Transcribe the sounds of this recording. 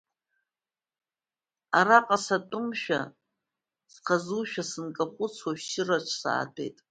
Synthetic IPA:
aɾaqʼasatʼʊmʃᶣa̰ | sqʰazuʃᶣasɨnkʼaχʷʊt͡sʰwaʃʃɪraʈ͡ʂʰsa̰ːtʰe̞̰jtʼ

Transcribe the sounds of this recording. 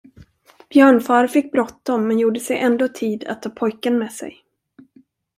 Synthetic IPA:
b̥jœːɳfɑːɾfɪkːbɾɔt̪ːdɔmːɛnjuːɖəsɛjʔɛnd̪oːt̪ʰiːd̪a̰t̪ʰːɑːpʰɔjkənmɛːsɛ̰j

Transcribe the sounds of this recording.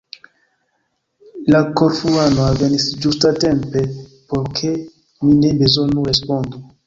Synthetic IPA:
lakoɾfuanoave̞nisd͡ʒustate̞mpe̞po̞ɾkʰe | mine̞be̞zo̞nuɾe̞spo̞ndu

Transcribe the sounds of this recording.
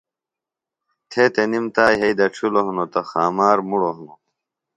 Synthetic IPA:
t̪ʰeːt̪enimt̪aːjɦeid̪ɐʈ͡ʂʰuloɦunot̪ɐxaːmaːɾmuɽoɦuno

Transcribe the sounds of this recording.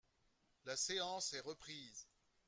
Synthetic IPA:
laseɑ̃sɛʁəpχiːz

